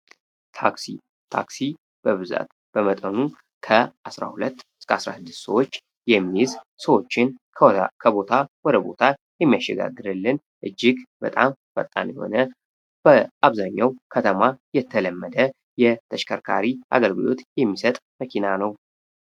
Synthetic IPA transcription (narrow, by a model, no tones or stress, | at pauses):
t̪ʰaksḭ | t̪ʰa̰ksi | b̥əβɨza̰t̪ | b̥əmət̪ʼənu | kʰəasɾa̰hulət̪ː | kasɾa̰sɨd̪ːɨ̥st̪səwo̞t͡ʃː | jɛmːiz | səwo̞t͡ʃːɪnʰ | kʰəbo̞t̪ʰawɔd̪əbo̞̰t̪ʰajɛmːijaʃːɛɡa̰ɡːɨɾɨlːɨn | ʔɨd͡ʒːɪɡbət̪ʼamfə̰t̪ʼːa̰njɛho̞̰nə | b̥əʔaβzaɲːawkʰət̪ʰəmajɛt̪ʰːələmːəd̪ə | jɛt̪ʰəʃkʰəɾkʰa̰ɾiʔa̰ɡəlɡɨlo̞̰t̪jɛmːisət̪ʼməkʰinanəw